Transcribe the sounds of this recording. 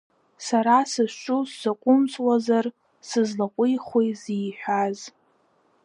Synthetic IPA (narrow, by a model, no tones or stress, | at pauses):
saɾasɨʃʷt͡ʃʷʼuszaqʷʼʊmsʼwazar | sɨzlaqʷʼʊjχʷwejziːħʷᶣaz